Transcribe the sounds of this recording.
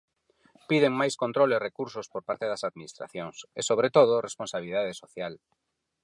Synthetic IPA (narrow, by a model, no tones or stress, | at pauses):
piðeŋmajskont̪ɾolerekuɾsospoɾpaɾt̪eðɐsaðminist̪ɾa̰θjoŋsesoβ̞ɾet̪oð̞ʊresponsaβiliðað̞esoθjal